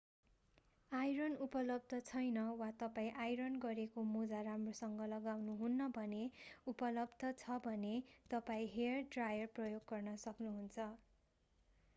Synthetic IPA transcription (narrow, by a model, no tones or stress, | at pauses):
ajɾʌnupʌlʌb̚d̪ʱʌt͡sʰʌjnʌwat̪ʌpaĩʔajɾʌnɡʌɾekomod͡zaramrosʌŋɡʌlʌɡawnuɦunːʌbʱʌneupʌlʌbd̪ʱʌt͡sʰʌbʱʌnet̪ʌpaĩɦeʌrɖrajʌrprʌjoɡɡʌrnʌsʌknuɦunt͡sʰʌ